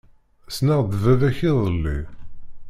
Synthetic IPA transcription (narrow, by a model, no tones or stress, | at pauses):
snaʁðəvæðæçiðˤəlːi